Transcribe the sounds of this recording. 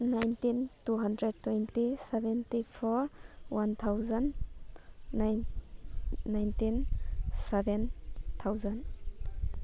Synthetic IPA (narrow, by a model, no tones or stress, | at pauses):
najntintuɦandɾɛd̚tːwejntisɛbɛntipʰɔɾwant̪ʰawzanː | ajnː | ajntinsɛbɛnt̪ʰawzan